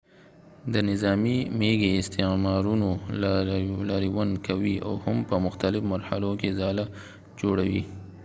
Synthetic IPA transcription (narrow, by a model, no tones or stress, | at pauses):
d̪ənɪzɑmimeɡeɪst̪emɑɾuno | laɾiwankʰawia̰whampəmʊxt̪alɪfmaɾhalokezɑla | d͡ʒoɽawi